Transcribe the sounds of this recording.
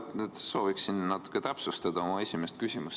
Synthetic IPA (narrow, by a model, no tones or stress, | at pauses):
ned̪̥so̞ːviksinːɑt̪ːu̥kːˑet̪æpsust̪ɑd̪ɑo̞mɑe̞sʲimest̪̚kysʲimus